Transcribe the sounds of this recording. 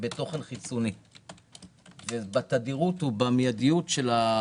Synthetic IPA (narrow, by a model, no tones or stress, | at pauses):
beto̞χenχit͡soni | vebat̪ad̪iʁuthubamjadijutʃela